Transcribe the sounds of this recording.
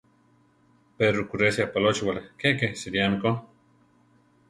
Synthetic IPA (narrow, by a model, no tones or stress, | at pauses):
peɾukuɾesjapalot͡ʃiwalekekesiɾjamiko